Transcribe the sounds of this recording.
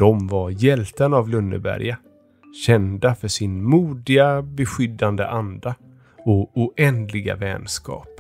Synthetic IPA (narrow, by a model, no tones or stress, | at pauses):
d̪̥ɔmvaɾjɛlt̪ənavlɵnːə̰bæ̰ɾja | ɕɛnd̪afœʂɪnmuːd̪ɪɡabɛɧʏd̪ːand̪ə̰ʔand̪a | ɔʊʔɛnd̪lɪɡa̰vɛ̰ːnskɑ̰ːp